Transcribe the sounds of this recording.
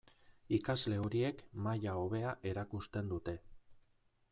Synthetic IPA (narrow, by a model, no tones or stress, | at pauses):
ikazle̞o̞ɾie̞kmaʎaoβe̞aʔe̞ɾakust̪e̞nd̪ut̪e̞